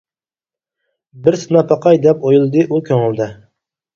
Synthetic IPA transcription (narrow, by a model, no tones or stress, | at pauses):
bɪɾsɨnɑpʰɑqʰɑjd̪ɛpojulˠɨd̪ɨʔukʲʰøŋɪlˠd̪ɛ